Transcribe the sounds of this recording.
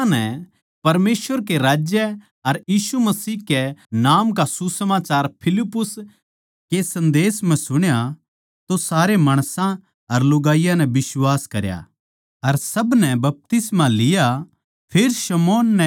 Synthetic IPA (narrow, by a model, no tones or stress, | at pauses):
nɛ̃ | pɐɾmeːsʋəɾkeɾaːd͡ʒjɛ | ɐɾjiːsumɐsiːkɛnaːmk̬asusɐmaːt͡ʃaːɾpʰɪlɪpːʊs | kesɐ̃nd̪eːsmɛ̃sʊɽ̃ja | t̪osaːɾemaːɽ̃sã | ɐɾlʊɡaːijãnɛ̃bɪswaːskɐɾja̰ | ɐɾsɐbnɛbɐp̚t̪ɪsmãlɪja | pʰeːɾʃɐmɔːnːɛ̃